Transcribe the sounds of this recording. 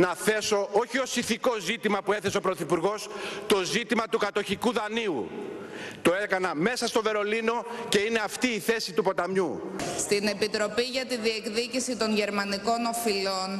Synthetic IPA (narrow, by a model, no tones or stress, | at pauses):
nɐθe̞so̞oçio̞siθiko̞zit̪imɐpue̞θe̞seo̞pɾo̞θipuɾɣo̞st̪o̞zit̪imɐt̪ukɐt̪o̞çikuðɐniu | t̪o̞ekɐnɐme̞sɐst̪o̞ve̞ɾo̞lino̞ce̞ine̞ɐft̪iːθe̞sit̪upo̞t̪ɐmɲust̪ine̞pit̪ɾo̞piʝɐt̪iðiekðicisit̪o̞nʝe̞ɾmɐniko̞no̞filo̞n